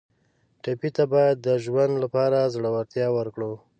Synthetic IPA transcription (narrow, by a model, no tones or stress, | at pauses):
ʈapit̪abɑjad̪ːəʒwand̪lapɑɾazɽəwaɾt̪jɑwəɾkɽo